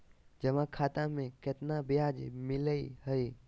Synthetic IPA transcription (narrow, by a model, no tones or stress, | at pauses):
d͡ʒəmãkʰat̪ãmẽket̪nabijad͡ʒmɪləiɦəj